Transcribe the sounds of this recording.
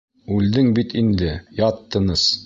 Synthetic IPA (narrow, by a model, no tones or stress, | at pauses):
ʉld̪ɘŋbit̪ind̪ɘjɑt̪ːɤ̆nɤs